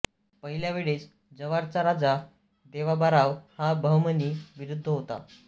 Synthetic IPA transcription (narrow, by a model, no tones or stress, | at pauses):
pəɦiljaʋeɭet͡s | d͡zəʋaɾt͡saɾad͡za | d̪eʋ̤abaɾaʋhabʱəʋməniːʋiɾud̪ʱːəɦot̪a̰